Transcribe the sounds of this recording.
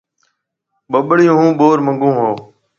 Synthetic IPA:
ɓəɓɽɪjũːɦũːɓoːɾmə̃ŋɡũːɦoː

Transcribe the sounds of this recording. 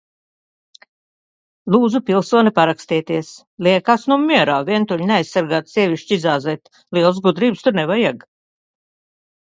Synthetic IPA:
lˠuːd̪zupʲilˠsuɔnipaɾakst̪iɛt̪iɛs | lʲiɛkasnumʲːiɛɾaːvʲiɛnt̪uʎʲneajsːaɾɡaːt̪sʲɛvʲiʃt͡ʃiizaːzɛjt̪ | lʲiɛlˠs̬ɡud̪ɾiːbst̪uɾnɛvajaɡ

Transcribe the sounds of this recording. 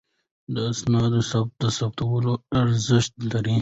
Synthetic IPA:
d̪əːsnɑːd̪osɐb̚t̪̚d̪ɐsɐbt̪ɐwəloɐɾzɪʃt̪lɐɾi

